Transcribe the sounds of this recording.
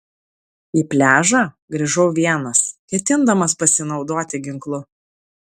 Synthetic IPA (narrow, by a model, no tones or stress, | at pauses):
iːpʲlʲæːʒɑː | ɡɾʲiːʒɐʊʋʲiɛnɐskʲɛt̪ʲɪnd̪ɐmɐspɐsʲɪnɒʊd̪oːt̪ʲɪɡʲɪŋklˠʊ